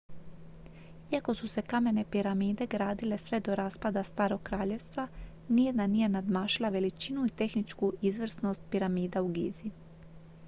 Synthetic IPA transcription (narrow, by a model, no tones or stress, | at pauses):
iako̞suse̞kame̞ne̞piɾamiːd̪e̞ɡɾaːd̪ile̞sʋe̞d̪o̞ɾaːspad̪ast̪aːɾo̞ɡkːɾaːʎe̞ʋst̪ʋa | nijed̪nanije̞nad̪maːʃilˠaʋe̞lit͡ʃinuit̪e̞xnit͡ʃkuʔizʋr̩sno̞st̪̚piɾamiːd̪auɡḭːzi